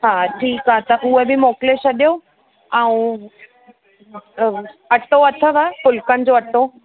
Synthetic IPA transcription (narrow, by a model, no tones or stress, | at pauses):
ɦaʈʰiːkɦaɦet̪ɐʔuɦebʱimoːkleɕɐɗjo | aũ | ɐʈoɐt̪ʰəʋapʊlkənɪ̆d͡ʑoɐʈo